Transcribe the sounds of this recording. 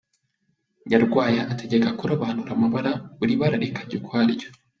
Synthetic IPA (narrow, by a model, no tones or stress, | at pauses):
jaɾɡwaːjaʔːtʰeɟekakuɾaβanuɾamaβaɾaβuɾiβaɾaɾekʰḁɟikwaːɾɟo